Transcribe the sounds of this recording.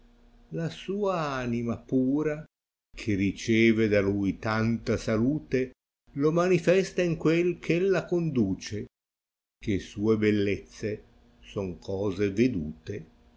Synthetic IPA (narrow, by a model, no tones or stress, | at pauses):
lasuːaanimapuːɾa | kʰerit͡ʃɛːved̪alujt̪ant̪asaluːt̪e | lomanifɛst̪aiŋkwelkʰelːakond̪uːt͡ʃe | kesuːebelːet̪sːe | sɔŋkʰɔːzeved̪ṵːt̪e